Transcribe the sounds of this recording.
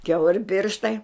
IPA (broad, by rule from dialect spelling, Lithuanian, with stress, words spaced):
ˈkʲɛʊrʲɪ ˈpʲɪrʃtɐɪ